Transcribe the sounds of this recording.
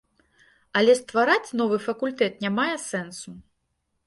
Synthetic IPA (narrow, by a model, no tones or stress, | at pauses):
ɐlʲɛst̪vaɾat͡sʲnɔvɨfɐkulʲt̪ɛt̪nʲamajɛsɛnsu